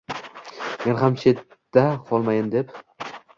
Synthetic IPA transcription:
me̞nɦamt͡ʃʰe̞t̪ːaqʰɒlˠmajɪmd̪e̞p

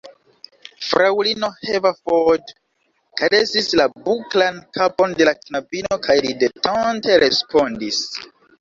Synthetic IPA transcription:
fɾawlino̞hevafod | kajdesislabuklankapo̞nde̞laknabino̞kʰajlidetʰonte̞ɾe̞spʰo̞ndis

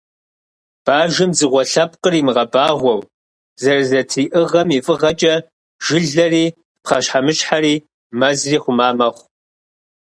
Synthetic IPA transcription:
b̥aːʒɪmzɨʁʷɔɬɐp̚qʼəriːmɨʁɐbaːʁʷɔw | zɐrzɐtʰiːʔɨʁɐmifʼɨʁɐt͡ʃʼɐ | ʒ̥ɪɮɐriː | pχɐɕħamɨɕħaɾiː | mɐzriːχʷʊmaːmɐχʷ

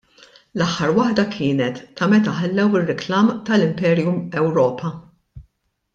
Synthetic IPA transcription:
lɐħːɐɾwɐħd̪ɐkʰɪːnɛt̪ːɐmɛt̪ɐħɐlːɛwɪrːɪklɐːmt̪ɐlɪmpɛːɾjʊmɛwɾɔːpɐ

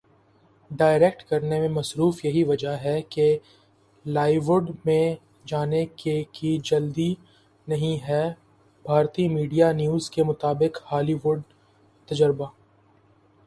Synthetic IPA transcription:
ɖaːɪɾek̚ʈkɐɾnemẽmɐsɾuːfjɐɦiʋɐd͡ʒaɦɛke | laːɪʋʊɖmẽ | d͡ʒaːnekekid͡ʒɐld̪i | nɐɦĩɦɛ | bʱaːɾt̪imiːɖijanjuːzkemʊt̪aːbɪkhaːliʋʊɖ | t̪ɐd͡ʒəɾbaː

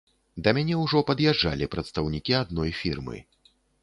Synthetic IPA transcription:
d̪ɐmʲanʲɛwʐɔpɐd̪jadːa̰lʲipɾɐt̪st̪ɐwnʲikʲiad̪nɔjfʲirmɨ̰

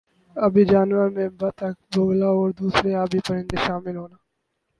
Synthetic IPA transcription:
ɐbʱid͡ʒaːnʋəɾmẽbət̪ək̚boːlaɔːɾd̪uːsɾeaːbʱipəɾɪ̃nd̪eʃaːmɪlɦoːnaː

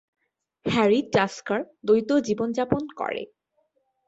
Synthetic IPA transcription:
hɛɾiʈaskaɾd̪ojt̪od͡ʑibond͡ʑaponkɔ̰ɾḛ

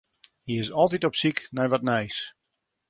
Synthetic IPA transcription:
hiɪsɔlˠtitɔpsiknɛjʋɔtnɛjs

